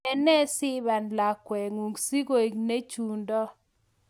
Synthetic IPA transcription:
ɛ˦nɛ˦sɪ˦βa˨nla˨kwɛ˨ŋu˨ŋɡsi˦ɡo˨i˨kne˦t͡ʃu˨ndɔ˦

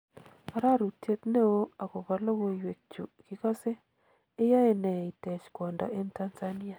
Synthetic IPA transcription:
a˨ɾa˦ɾu˨te˦t̪ne˦o˦a˨kɔ˨ba˦lo˦wo˦we˨k̚t͡ʃu˨kɪ˦ka˦seː˦ | ja˦e˦nɛ˨i˨tɛ˨t͡ʃkwɔ˨nda̰˨ʔe˦nta˦nzani˦a˨

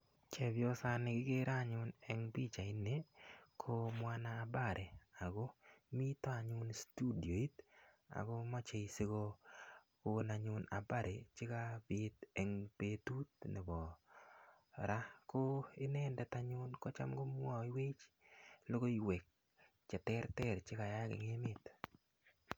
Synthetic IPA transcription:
t͡ʃɛ˨bjɔ˦sa˦nɪ˨ɡɪ˦ɡe˦ɾa˦ɲʊ˦nɛ˦ŋbi˦t͡ʃa˨ɪ˦ne˨kʰo˦mwa˦naː˦˨ba˦˨ɾʔe˨a˨ɡo˦mi˦t̪ɔ˦a˨ɲʊ˦nstu˦di˨o˨i˦t̪ | a̰˨ɡo˦ma˦t͡ʃe˨i˨se˦ɡo˦ | ko˦na˨ɲʊ˦na̰˨ba˦ɾʔe˨t͡ʃɪ˦ka˦bɪ˦tɛ˨ŋpe˦tu˦t̚nɪ˨bɔ˨ | ɾa˦ko˦ɪ˦nɛ˦ndɛ˨ta˦ɲʊ˦nkɔ˦t͡ʃa̰˦mɡo˦m˦ɔ˨i˦we˦t͡ʃlo˦ɡo˦i˨wɛ˨k̚ | t͡ʃɛ˨tɛ˦ɾtɛ˦ɾt͡ʃɪ˦ka˨ja˦ɡɪ̰˨ŋe˦mɪ˦t

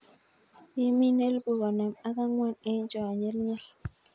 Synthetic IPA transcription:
i˦mi˦ne˦lɡu˨kɔ˨nɛ˨ma˦ka˦ŋwɔ˦ne˦ɲt͡ʃɔ˨a˨ɲɛ˦lɲɛ˦l

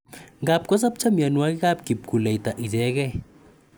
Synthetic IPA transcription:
ŋɡa˨p̚kɔ˦s̬a˦p̚t͡ʃa˦mja˨nwa˦kɪ˦ka˦p̚ki˨p̚ku˨lɛ˨i˨ta˨ʔi˨tɛ˦kɛ˦

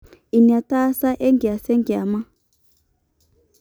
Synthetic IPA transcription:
i˨ni˨a˨ta˦sa˦ʔɛ˦ŋɡi˨a˨sɛ˦ŋɡi˨a˨ma˦

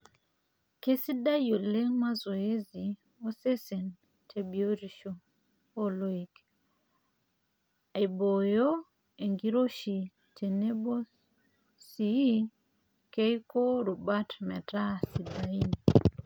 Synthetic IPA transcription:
ke˦si˦da˦jo˨le˦ŋma˦zo˨e˦zi˨ | o˦se˦sɛ˨n | tʰe˨bi˨o˦ɾi˨ʃo˨ | o˦lo˦ik | a˨i˨bo˨jo˦ | e˨ŋɡi˦ɾo˦ʃi˨ | tʰe˨ne˦bo˦ | si˨i˦ | ke˦jko˦ɾu˨ba˦tmɛ˨ta˦si˨daini

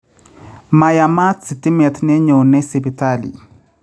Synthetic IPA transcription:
ma˨ja˨ma˦t͡si˨ti˦mɛ˨t̪ʰnɛ˦ɲo˨nɛ˦si˨bi˨ta˦˨lḭ˨

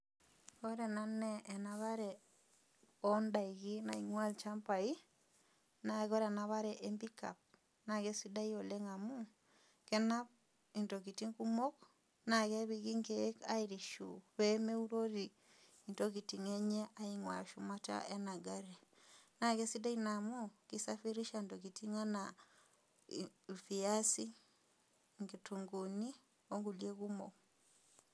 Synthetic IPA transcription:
o˦ɾe˨na˦ne˦ʔːnaβa˦ɾe˨ | o˦nda˨i˨ɣi˦na˨i˨ŋwa˦lt͡ʃa˦mpa˨i˦ | na˨ɣo˦ɾe˨na˦βa˦ɾɛ˨ʔe˦mbi˦ka̰˨p̚ | na˨ɣe˦si˦da˦i˦o˨le˦ŋa˨mu˦ | kɛ˦na˦p̚ | i˨nto˨ki˨ti˦ŋku˦mo˦k | na˨ɣe˦βi˨ɣi˦ŋke˦ka̰˦i˦ɾi˨ʃṵβɛ˦me˦u˦ɾo˦ɾi˨ | indo˦ki˨ti˨ŋɛ˦ɲɛ˦a˦i˦ŋwa̰˨ʃu˨ma˦ta̰˦ʔɛ˦na˨ɡa˦ɾe˨na˨kɛ˦si˦da˦i˦na˨mu˦ki˦sa˦fi˦ɾi˦ʃa˦˨ndo˨ki˨ti˦ŋa˦na˨ | fi˨a˦si˦ | ŋɡe˨tu˨ŋɡu˨ni˦ | o˦ŋɡu˨lje˦kumo̰˨k

